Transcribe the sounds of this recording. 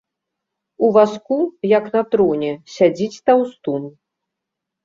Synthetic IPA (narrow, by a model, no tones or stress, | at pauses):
uvaskujɐknɐt̪ɾɔnʲɛsʲad͡zʲit͡sʲt̪awst̪un